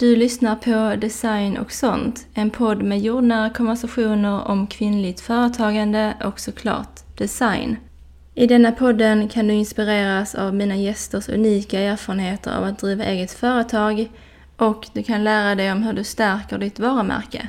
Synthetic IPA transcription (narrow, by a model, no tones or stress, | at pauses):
d̪̥ɵlʏsnaɾpʰɔd̪ɛsajnʔɔ̰ksɔnt̪ɛnpʰɔd̪ːmɛjoːɖnaɾkʰɔnvæʂaɧuːnəɾɔ̰mkʰvɪnːlɪɡt̪fœːɾət̪ʰɑːɡand̪əɔksɔkʰlɑ̰ːʈ̪ | d̪̥ɛsajn | ɪd̪ɛnːapʰɔd̪ːənkʰand̪ɵɪnspɪɾeːɾasa̰vmiːnajɛst̪əʂɵ̰niːkaæːɾfɑːɾənheːt̪ə̰ɾa̰vat̪̚d̪ɾiːvaʔeːɡət̪fœːɾət̪ʰɑːɡ | ʔɔkd̪ɵkʰanlæːɾad̪ɛjɔmɦɵɖɵst̪æɾkəɖɪt̪vɑːɾəmæ̰ɾkə̰